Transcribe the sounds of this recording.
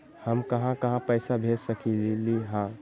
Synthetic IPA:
həmkɐɦãkɐɦãpəɪsabʱeːd͡ʒsəkililiɦãː

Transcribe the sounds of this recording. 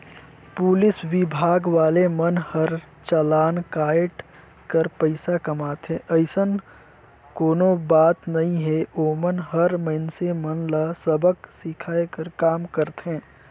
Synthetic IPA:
pʊlɪswɪbʱaːɡʋaːlemənhəɾ | t͡ʃəlaːnkaːɪʈ | kəɾpəɪsakɐmaːt̪ɦɛ̃ʔəɪsən | koːnobaːt̪nɐɦĩɦɛoːmənɦɐɾməɪnsemənlasəbʱəksɪkʰaːekəɾkaːmkəɾt̪ɦɛ̃ː

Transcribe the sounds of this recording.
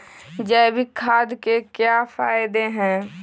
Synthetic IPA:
d͡ʒɛːbʱikʰaːd̪kekjafaːɪd̪eɦɛ̃ː

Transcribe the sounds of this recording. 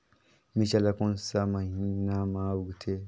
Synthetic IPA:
mit͡ʃalakɔ̃nsamahĩnamawuɡtʰe

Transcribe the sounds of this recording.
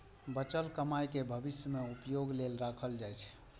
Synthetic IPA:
bət͡ʃəlkəmajkebʱəbisjəmeupjoɡlelɾakʰəld͡ʒajt͡ʃʰ

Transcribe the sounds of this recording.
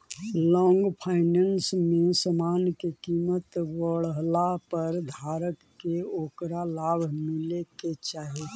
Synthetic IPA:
lɔ̃ŋɡpʰaɪnensmesəmankekimət̪ʋəɽəɦlapəɾd̪ʱaɾəkːeoːkɾalabʱmileket͡ʃaɦi

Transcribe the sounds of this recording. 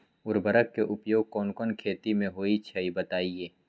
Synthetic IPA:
ʊɾbəɾəkːeʔʊpjoːɡ̚kɔːnkɔːnkʰeːt̪imẽɦoːit͡ʃʰɐibɐt̪aːieː

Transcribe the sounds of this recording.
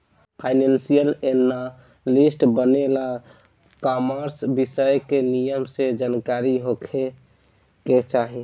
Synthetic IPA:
pʰaɪnensijəlenːa | lisʈbənela | kɔməɾsbisəjkenijəmsed͡ʒankaɾiɦokʰe | ket͡ʃaɦi

